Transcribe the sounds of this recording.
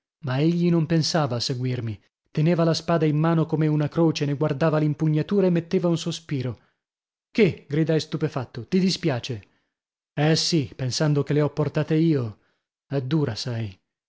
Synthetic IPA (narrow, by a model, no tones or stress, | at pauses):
maeʎːinompensaːvaːsːeɡwirmi | t̪eneːvalaspaːd̪aimːaːnokomeunakɾoːt͡ʃeneɡward̪aːvalimpuɲːat̪uːɾaemːet̪ːeːvaunsospiːɾo | keɡɾid̪ajst̪upefat̪ːot̪id̪ispjaːt͡ʃe | ɛsipensand̪okeleɔpːort̪aːt̪eiːo | ɛd̪ːuːɾasaj